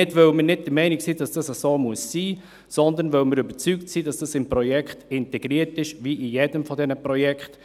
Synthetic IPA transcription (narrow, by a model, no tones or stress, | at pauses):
ɪtʋœwmənɪt̚d̥əɾmɛɪnɪksiːd̥ɑsd̥ɑsəsoːmuəsːiː | sɔnd̪ənʋœwməɾybəɾt͡syktsiːd̥ɑsd̥ɑsɪmpɾɔjɛkχtɪntɛɡ̥ɾiːəɾtɪʃʋiʔijɛdəmfɔdɛnəpɾɔjɛkχt